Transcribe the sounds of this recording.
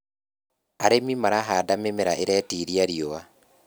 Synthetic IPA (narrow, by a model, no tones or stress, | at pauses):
aɾemimaɾaɦaːdamemeɾaʔeɾɛːtiɾiaɾioa